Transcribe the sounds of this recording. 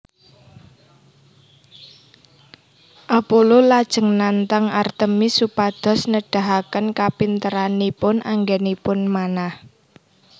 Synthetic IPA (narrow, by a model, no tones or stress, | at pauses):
ʔapololad̥ʒ̥ə̤ŋnant̪aŋart̪əmisupad̪̥ɔ̤snəɖ̥a̤ɦakənkapint̪əɾanipʊnʔaŋɡɛnipʊnmanah